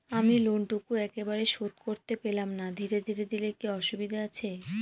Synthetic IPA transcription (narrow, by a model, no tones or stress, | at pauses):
amiloɳʈukuɛkebaɾeʃot̪koɾt̪epelamnad̪ʱiɾed̪ʱiɾed̪ilekiɔʃubid̪ʱaat͡ɕʰe